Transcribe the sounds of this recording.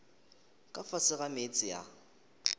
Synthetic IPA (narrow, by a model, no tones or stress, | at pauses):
kʼafasɪɣamet͡sʼɪja̰